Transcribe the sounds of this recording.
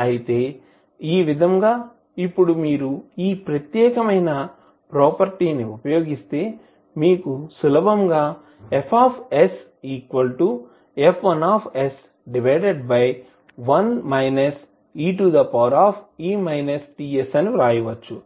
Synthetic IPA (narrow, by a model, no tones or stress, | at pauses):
ɐjit̪e̞ː | iːʋid̪ʱɐmɡaː | ipːuɽumiːɾuiːpɾɐt̪jɛːkɐmɐjnɐ | pɾoːpɐɾʈiːniupɐjo̞ːɡist̪e̞ː | miːkusulɐbʱɐmɡaː | epʰaːpʰes | iːkʋɐlʈu | epʰʋɐnaːpʰes | ɖiʋɐjɖeɖbɐj | ʋɐnmɐjnɐs | iːʈ̬ud̪ɐpɐɾaːpʰiːmɐjnɐsʈiːesɐniɾaːjiʋɐt͡ʃːu